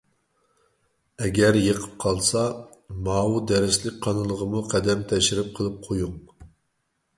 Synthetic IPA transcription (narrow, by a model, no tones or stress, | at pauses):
ɛɡʲɛɾjəqʰə̥p̚qʰɑlˠsɑmɑːwud̪ɛɾɪslɪkʲqʰɑnɨlˠəʁəmuqʰɛd̪ɛmt̪ʰɛʃɪɾɪp̚qʰəlˠɨp̚qʰojuŋ